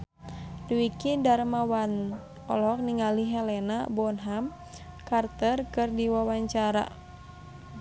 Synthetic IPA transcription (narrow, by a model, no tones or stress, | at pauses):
duwikidaɾmawan | ɔ̰lɔk̚niŋaliɦɛlɛnabɔnɦam | kart̪ərkɨrdiwawaɲt͡ʃaɾa̰